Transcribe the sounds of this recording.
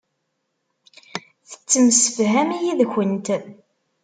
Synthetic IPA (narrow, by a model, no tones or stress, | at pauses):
θə̥t͡sːənsə̥fɦæmijiðçənt̪